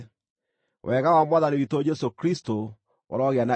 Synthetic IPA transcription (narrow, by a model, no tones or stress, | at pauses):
wʔɛɣawamwaðanewitoːd͡ʒɛsokɾisto | o̰ɾɔɣeana